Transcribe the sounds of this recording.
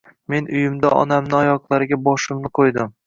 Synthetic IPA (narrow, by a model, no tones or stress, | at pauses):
me̞nʊjɪmd̪aʔɒ̰namnɪɒjɒqlˠaɾɪɡʲabɒʃɪmnɪqʰojd̪ɪm